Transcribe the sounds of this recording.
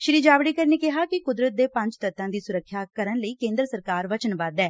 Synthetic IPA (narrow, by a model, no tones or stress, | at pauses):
ʃɪɾiːd͡ʒaːʋɽiːkəɾneːkɪɦaːkɪkʊd̪ɾət̪̚d̪eːpə̃ɲd͡ʒt̪ət̪ːãːd̪iːsʊɾəkʰːjaːkəɾənləiːkẽːnd̪ɾəsəɾkaːɾʋət͡ʃənbad̪ɛː